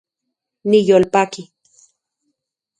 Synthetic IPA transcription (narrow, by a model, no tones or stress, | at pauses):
nijolpaki